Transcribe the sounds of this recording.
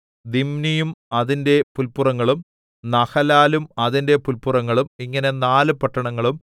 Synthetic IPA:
d̪imnijumɐðinde̞pulpurɐŋːɐɭum | nɐxɐlaːlumɐðinde̞pulpurɐŋːɐɭumiŋːɐne̞naːlɨpɐʈːɐɳɐŋːɐɭum

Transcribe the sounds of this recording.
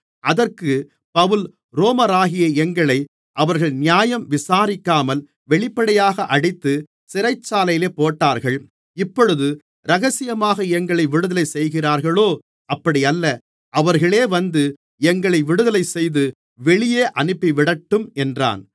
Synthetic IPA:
ʔɐðɐrkɯ | pɐʋɯl | ɾoːmɐɾaːɣɪjɐɛŋɡɐɭɐɪ | ʔɐʋɐɾɣɐɭnɪjaːjɐmʋɪsaːɾɪkːaːmɐl | ʋɛɭɪpːɐɽɐjaːɣɐʔɐɽɪt̪ːɯ | sɪɾɐɪt͡ʃːaːlɐjɪleːpoːʈːaːɾɣɐɭ | ɪpːɔɻɯðɯ | ɾɐɣɐsɪjɐmaːɣɐɛŋɡɐɭɐɪʋɪɽɯðɐlɐɪsɛjɣɪraːɾɣɐɭoː | ɐpːɐɽɪjɐlːɐ | ʔɐʋɐɾɣɐɭeːʋɐnd̪ɯ | ɛŋɡɐɭɐɪʋɪɽɯðɐlɐɪsɛjðɯ | ʋɛɭɪjeːʔɐnɯpːiʋɪɽɐʈːɯmɛndra̰ːn

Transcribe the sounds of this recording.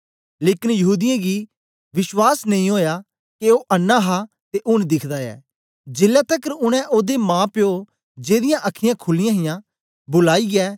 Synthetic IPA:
leːkɪnjɐɦuːd̪ɪjãɡi | ʋɪʃwaːsnɐ̃ĩɦoːjaː | keoːʔɐnːaːɦa | t̪eʔʊnd̪ɪkʰd̪aːjɛ̰ː | d͡ʒɪlːaːt̪əkəɾʊɽ̃ɛ̃ʔoːd̪emãːpɪoː | d͡ʒeːd̪ɪjãʔɐkʰːɪjãkʰʊlɪjãːɦɪjãː | bʊlaːiɡɛː

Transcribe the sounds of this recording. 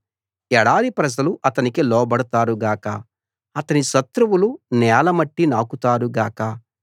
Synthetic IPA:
ɛɽaːɽipɾɐd͡ʒɐluʔɐt̪ɐnikilɔːbɐɽut̪aːɾuɡaːkɐː | t̪ɐniʃɐt̪ɾuwulunɛːlɐmɐʈːinaːkut̪aːɾuɡaːkɐ

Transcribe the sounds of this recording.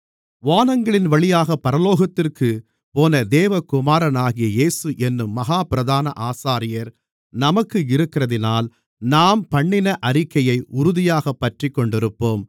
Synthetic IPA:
ʋaːnɐŋɡɐɭɪnʋɐɭɪjaːɣɐpːɐɾɐloːɣɐt̪ːɪrkɯ | poːnɐd̪eːʋɐkʊmaːɾɐnaːɣɪjɐjeːsɯʔɛnːɯmːɐɣaːpɪɾɐðaːnɐʔaːsaːɾɪjɐɾ | nɐmɐkːɯɪɾɯkːɪɾɐðɪnaːl | naːmpɐɳːɪnɐʔɐɾɪkːɐjɐɪʔʊɾʊðɪjaːɣɐpːɐʈrɪkːɔɳɖɪɾɯpːoːm

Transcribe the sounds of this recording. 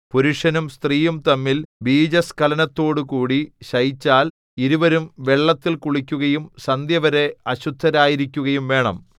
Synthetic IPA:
puɾuʂɐnumst̪riːjumt̪ɐmːilbiːd͡ʑɐskɐlɐnɐt̪ːo̞ːɽɨkuːɽiɕɐjit͡ɕːaːl | iɾuʋɐɾumʋe̞ɭːɐt̪ːilkuɭikʲːuɣɐjumsɐnd̪jɐʋɐɾe̞ɐɕud̪ʰʱːɐɾaːjiɾikʲːuɣɐjumʋe̞ːɳɐ̰m

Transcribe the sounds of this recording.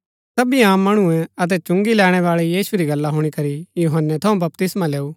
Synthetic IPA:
sɐbiãːmːɐɽ̃ʊuɛ̃ɐt̪̬ɛt͡ʃʊ̃ŋɡilɛːɽ̃ɛʋaːɭijiːsuɾiɡɐlːaɦʊɽ̃ikɐɾijuːɦənːɛt̪ʰɐõbɐp̚t̪ɪsmãleːu

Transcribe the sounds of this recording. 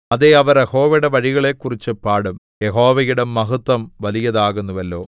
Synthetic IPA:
ɐðeɐʋɐɾjeho̞ːʋeɽeʋɐɻiɣɐɭe̞kːurit͡ɕːɨpaːɽum | jeɦo̞ːʋɐjuɽemɐɦut̪ːɐmʋɐlijɐðaːɣunːuʋɐlːo̞ː

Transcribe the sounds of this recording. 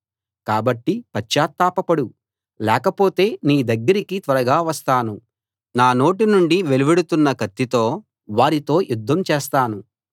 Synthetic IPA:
kaːbɐʈːipɐt͡ʃːaːt̪ːaːpɐpɐɽu | lɛːkɐpo̞ːt̪e̞ːniːd̪ɐɡːɐɾikit̪ʋɐɾɐɡaːʋɐst̪aːnu | naːno̞ːʈinuɳɖiʋe̞lubeɽut̪unːɐkɐt̪ːit̪o̞ː | ʋaːɾit̪o̞ːjud̪ʱːɐmt͡ʃeːst̪aːnu

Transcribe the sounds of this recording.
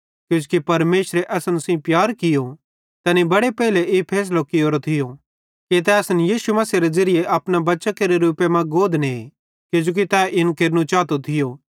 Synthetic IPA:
kjõːd͡ʒkipɐɾmeːʃɾeʔɐsɐnʊsĩpjaːɾkɪjo | t̪ɛːnibɐɽepɛːɦɪleʔepʰɛːs̬lokioːɾot̪ʰɪjo | kit̪̬ɛɐsnjiːsumɐsiɾed͡ʒɐɾɪjeʔɐpñabɐːʃakeɾeɾuːpemɐ̃ɡoːd̪ne | kod͡ʒoːk̬it̪ɛːʔɪnkeɾnũt͡ʃaːt̪ot̪ʰɪjoː

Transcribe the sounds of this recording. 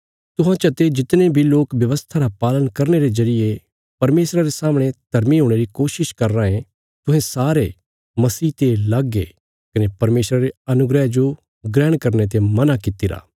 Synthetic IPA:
t̪ʊɦãt͡ʃɐt̪ed͡ʒɪt̪nebʱiloːkʋjɐʋəst̪ʰaɾapaːlənkɐɾneɾezɐɾɪje | pɐɾmeːsɾaɾesaːmɽ̃ed̪̥ʱɐɾmiɦoːɽ̃eɾikoːʃɪʃkɐɾːãɦẽ | t̪ʊ̃ɦẽsaːɾe | mɐsiːt̪elaɡe | kɐnepɐɾmeːsɾaɾeɐnʊɡɾɛd͡ʒo | ɡɾɛːɽ̃kɐɾnet̪̬emɐnakɪt̪iɾa̰ː

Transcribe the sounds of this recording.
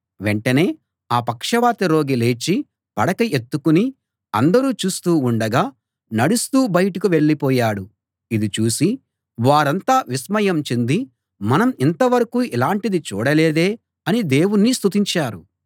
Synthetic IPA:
ʋe̞ɳʈɐne̞ː | aːpɐkʂɐʋaːt̪ɐɾo̞ːɡile̞ːt͡ʃi | pɐɽɐkɐet̪ːukuni | ɐ̰nd̪ɐɾuːt͡ʃuːst̪uːɳɖɐɡaː | nɐɽust̪uːbɐjɐʈɐkuʋe̞ɭːipɔːjaːɽu | id̪it͡ʃuːsi | ʋaːɾɐnt̪aːʋismɐjɐmt͡ʃend̪i | mɐnɐmint̪ɐʋɐɾɐkuːʔilaːɳʈid̪it͡ʃṵːɽɐle̞ːd̪e̞ː | ɐnid̪e̞ːwunːist̪ut̪iɲt͡ʃaːɾu

